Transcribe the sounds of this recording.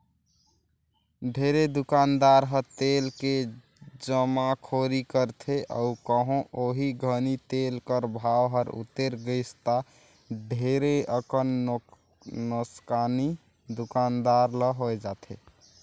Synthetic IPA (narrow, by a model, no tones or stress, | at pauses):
ɖʱeɾed̪ukand̪aɾɦəɾt̪elke | d͡ʒəmakʰoɾikəɾt̪ʰeʔə̰ukəɦõʔoɦiɡʱənit̪elkəɾbʱawɦəɾṵt̪ːeɾɡəɪst̪a | ɖʱeɾeəkən | nəskani | d̪ukand̪aɾləɦoɛd͡ʒat̪ʰe